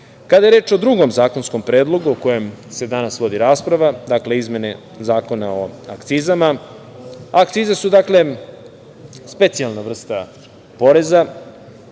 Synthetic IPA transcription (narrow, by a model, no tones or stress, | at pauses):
kad̪ajeɾe̞ːt͡ʃod̪ɾuɡo̞mzaːko̞nsko̞mpɾe̞ːd̪lˠo̞ɡuoko̞jemse̞d̪anasʋo̞d̪iɾaːspɾaʋad̪akle̞izme̞ne | zaːko̞naoakt̪siːzama | akt̪siːzesud̪akle̞ | spe̞t̪sialˠnavr̩st̪a | po̞ɾe̞za